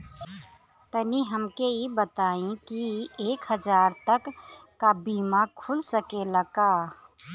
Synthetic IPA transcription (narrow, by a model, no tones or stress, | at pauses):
t̪əniɦəmkeibət̪aːĩkieːkɦəd͡ʒaːɾt̪əkː | abiːmãkʰʊlsəkeləɡaː